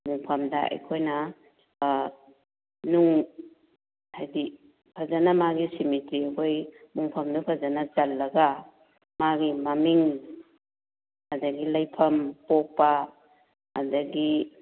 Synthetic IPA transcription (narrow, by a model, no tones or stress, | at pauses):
muŋpʰɐmdaʔa̰jkʰojna | nuŋ | hajdi | pʰazanamaɡisimitɾikʰojmuŋpʰɐmdupʰazanat͡ʃalːɐɡa | maɡimamiŋ | adaɡilajpʰɐmpɔk̚pa | a̰daɡi